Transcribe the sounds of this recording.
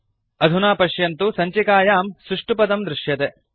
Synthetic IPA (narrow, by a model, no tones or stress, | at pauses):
ɐd̪ʱunaːpɐʃjɐnt̪usɐɲt͡ʃikaːjaːmsɾuʂʈupɐd̪ɐmd̪ɾɪʂjɐt̪e